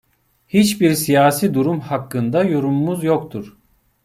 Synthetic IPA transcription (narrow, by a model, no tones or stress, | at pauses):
hit͡ʃbiɾsijaːsiːd̪uɾumhakːɯnd̪ajoɾumːuzjokt̪ʰuɾ̥